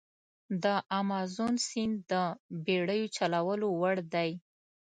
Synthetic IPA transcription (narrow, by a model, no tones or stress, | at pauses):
d̪əʔamɑzonsind̪əbeɽəjot͡ʃalawəlowaɽd̪aj